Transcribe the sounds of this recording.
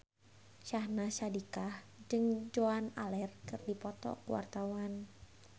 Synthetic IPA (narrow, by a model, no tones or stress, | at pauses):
ʃahnasadikah | d͡ʒɨŋd͡ʒoana̰lɛrkɨrdipɔt̪ɔ̰kuwa̰rt̪awan